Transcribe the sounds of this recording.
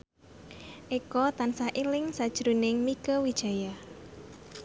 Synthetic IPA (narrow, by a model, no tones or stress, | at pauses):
ʔikɔt̪ansaʔilɪŋsad̥ʒ̥ɾunɪŋmikəwid̥ʒ̥a̤jah